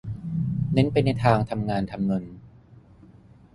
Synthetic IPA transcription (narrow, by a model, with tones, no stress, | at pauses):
ne˦˥npa˧jna˧jt̪ʰaː˧ŋt̪ʰa˧mŋaː˧nt̪ʰa˧mno˧n